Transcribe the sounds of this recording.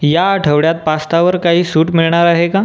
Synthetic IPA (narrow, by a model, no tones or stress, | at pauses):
jaəʈʰəʋɽjat̪̚past̪aʋəɾkaɦiːsuːʈmiɭɳ̃aɾaɦeka